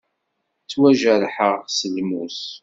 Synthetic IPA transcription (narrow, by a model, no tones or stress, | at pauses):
t͡sːwæʒæɾħəʁsəlmus